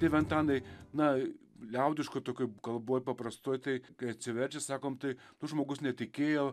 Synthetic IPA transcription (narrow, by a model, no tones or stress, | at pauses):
t̪ʲɐɪʋʲɛnt̪ɑːnɐɪnɐ | lʲɛʊd̪ʲɪʃkʊt̪oːkʲʊkɐlˠboːjpɐpɾɐst̪oːjt̪ɐɪkɐɪɐt̪ʲsʲɪʋʲɛɾʲt͡ʃʲɛsɑːkoːmt̪ɐɪnʊʒmoːɡʊsnʲɛt̪ʲɪkʲeːjoː